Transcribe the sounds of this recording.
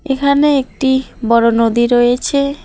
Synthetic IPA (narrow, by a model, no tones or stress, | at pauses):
ekʰaneek̚ʈibɔɽonod̪iɾojet͡ɕʰe